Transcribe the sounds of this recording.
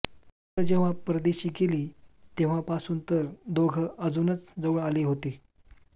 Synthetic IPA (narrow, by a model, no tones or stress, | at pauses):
əd͡ʑeʋ̤apɾəd̪eɕiːkeliːt̪eʋ̤apasuːnt̪əɾd̪oɡʱəəd͡zunət͡sd͡zəʋuɳaliːɦot̪e